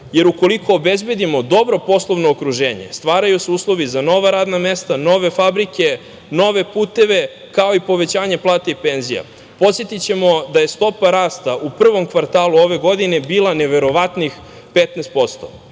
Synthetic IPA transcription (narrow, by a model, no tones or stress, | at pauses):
je̞ɾuko̞likʰo̞ːbezbe̞d̪imo̞d̪o̞bɾo̞po̞slˠoʋnoːkɾuʒeːɲḛst̪ʋaːɾajuseuːslˠo̞ʋizano̞ʋaɾaːd̪name̞st̪ano̞ʋe̞fabɾike̞ | no̞ʋe̞puːt̪e̞ʋe̞ | kao̞ipo̞ʋet͡ɕaːɲe̞plˠaːt̪eipeːnzija̰ | po̞t̪sjet̪it͡ɕe̞mo̞d̪aje̞st̪o̞paɾaːst̪aupr̩ʋo̞mkʋaɾt̪aːluo̞ʋe̞ɡo̞d̪ine̞biːlˠane̞ʋe̞ɾo̞ʋat̪nix | pet̪neːst̪̚po̞st̪o̰